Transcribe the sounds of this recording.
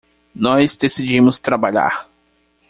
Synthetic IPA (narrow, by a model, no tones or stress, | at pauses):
nɔzd̪esid͡ʒĩmʊst̪ɾabaʎa̰ɾ